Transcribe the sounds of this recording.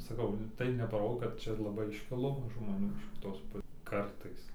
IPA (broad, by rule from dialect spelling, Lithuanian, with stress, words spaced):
sɐˈkɐʊ tɐɪ nʲɛpɐˈroː kɐt ˈt͡ʃʲɛ lˠɐˈbɐɪ ɪʃʲˈkʲɪlˠoː ʒmoːˈnʲuː ɪʃ kʲɪˈtoːs ˈpʊ ˈkɐrtɐɪs